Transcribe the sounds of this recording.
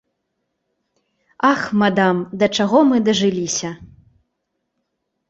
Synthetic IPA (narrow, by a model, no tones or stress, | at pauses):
axmad̪amd̪ɐt͡ʂaɣɔmɨd̪ɐʐɨlʲisʲɐ